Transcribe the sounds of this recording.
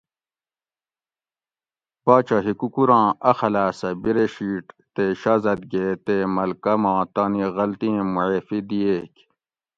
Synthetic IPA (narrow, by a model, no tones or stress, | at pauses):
paːt͡ɕaɦikukuɾɑ̃ːɐxɐlaːsɐbiɾeɕiːʈt̪eɕaːzɐd̪̚ɡeːt̪eːmɐlkɐmɑ̃ːt̪aːniɣɐlt̪ĩmuʕefid̪ijeːk